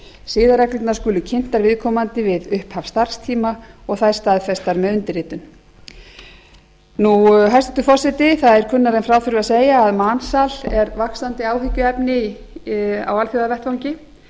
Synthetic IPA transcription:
sɪːðaɾɛklɪt̪naskʏːlʏcʰɪn̥t̪aɾvɪðkʰɔːmant̪ɪvɪðʏhphafst̪ar̥st̪ʰiːmaɔɣθaðɾ̥st̪aːðfɛst̪aɾmœðʏnt̪ɪɾɪːt̪ʏn | nuɦajst̪ɪt̪ʏfɔsɪt̪ɪθaðɛɾ̥kʰʏnːaɾɛjnfɾaːwfʏɾvʏaseːjaːðmansalɛɾvaksant̪ɪaːwɦɪcʏɛpnɪ | a̰walfjɔðavɛr̥t̪vawɲcɪ

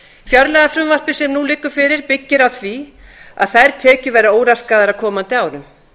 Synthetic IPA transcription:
fjœɾlɛɣafɾʏmvar̥pɪsɛmnulɪːkːʏɾ̥fɪːɾɪɾ̥pɪcːɪɾawθvia̰ðθajɾ̥t̪ʰɛːcʏvɛːɾaoːwɾaskaðaɾaðkʰɔːmant̪ɪaːwɾʏm

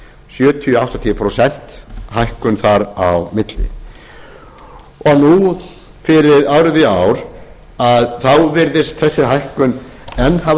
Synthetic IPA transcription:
sjœːt̪ʰiawht̪ant̪ʰiːpʰɾɔsɛn̥t̪hajhkʏnθaɾawmɪt̪lɪ̰ | ɔɣnu | fɪɾɪðawɾɪðɪawɾ̥ | aðθawvɪɾðɪst̪θɛsːɪɦajhkʏn | ɛnːha

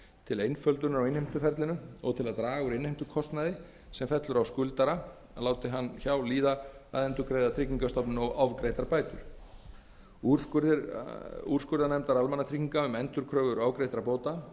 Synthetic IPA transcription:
t̪ʰɪlejnfœlt̪ʏnʏɾawɪnhejmt̪ʏfɛɾt̪lɪnʏɔ̰ɣt̪ʰɪlaðt̪ɾaːɣʏɾɪnhejmt̪ʏkʰɔst̪naðɪ | sɛmfɛt̪lʏɾawskʏlt̪aɾa | laːwt̪ɪɦanːçawliːðaaðɛnt̪ʏɾkɾejðat̪ʰɾɪciŋkast̪ɔpnʏnɔɣawvkɾejt̪aɾpaːjt̪ʏɾ̥ | u | uɾ̥skʏɾðanɛmt̪aɾalmanːat̪ʰɾiciŋkaʏmɛnt̪ʏɾkʰɾœːɣðʏɾaːwkɾejt̪ɾapoːwt̪a

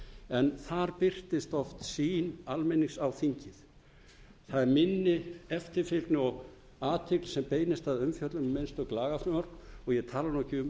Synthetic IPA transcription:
ɛnθaɾpɪr̥t̪ɪst̪ɔft̪siːnalmejniŋsawθiɲcɪθ | θaðɛɾmɪnːɪɛft̪ɪɾfɪlk̪nɔɣ | aːt̪ʰɪklsɛmpeːjnɪst̪aðʏmfjœt̪lʏmːenst̪œklaːɣafɾʏmɔɾɔɣjɛt̪ʰaːlaɾnɔhcɪʏm

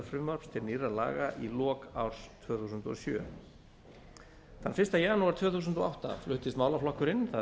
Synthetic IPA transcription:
fɾʏmvœɾpst̪ʰɪlniːrala̰ːɣaʔilɔːkawɾ̥st̪ʰvœːθus̬ʏnt̪ɔ̰sjœ̰ː | θanfɪst̪ajaːnuaɾ̥t̪ʰvœːθuːs̬ʏnt̪ɔawht̪a̰flʏht̪ɪst̪maːwlaflɔhkʏɾɪnːθa

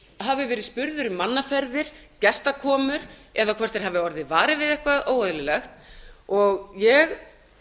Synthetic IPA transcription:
ɦavʏvɛːɾɪðspʏɾðʏɾʏmanːafɛɾðɪɾ̥ | cɛst̪akʰɔːmʏɾɛðakʰvɛr̥t̪ɪɾ̥havɪɔɾðɪvaːɾɪvɪðɛhkvaʔoːwɛðlɪlɛxt̪ɔɣjɛɣ

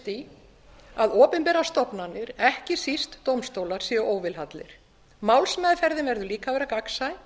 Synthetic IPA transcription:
t̪i | aðɔːpɪmpɛːɾast̪ɔpnanːɪɾɛhcɪsist̪ːowmst̪oːwlaɾ̥siːaʔoːwvɪlhat̪lɪ̰ɾ̥ | mawlsmɛːðɪfɛɾðɪnvɛɾðʏliːkavɛːɾakaksaɪ

